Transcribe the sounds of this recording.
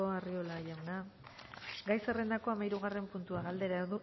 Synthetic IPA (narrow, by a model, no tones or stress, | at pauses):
oario̞laʎawna | ɡajse̞re̞nd̪ako̞amajɾuɣ̞are̞mpunt̪uaɣald̪e̞ɾaeɾðu